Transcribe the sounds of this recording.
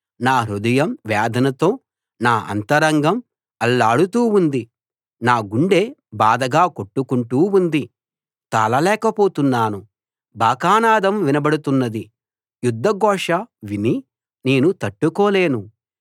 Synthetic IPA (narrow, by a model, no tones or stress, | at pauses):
naːɾud̪ɐjɐmʋaːd̪ʱɐnɐt̪o̞ː | naːʔɐ̰nt̪ɐɾɐŋɡɐm | ɐlːaːɽut̪uːund̪i | naːɡuɳɖe̞ːbaːd̪ɐɡaːkoʈːukuɳʈuːund̪i | t̪aːlɐlɛːkɐpoːt̪unːaːnu | bʱaːkaːnaːd̪ɐmʋinɐbɐɽut̪unːɐd̪i | jud̪ʱːɐɡɔːʂɐʋini | neːnut̪ɐʈːukɔːle̞ːnu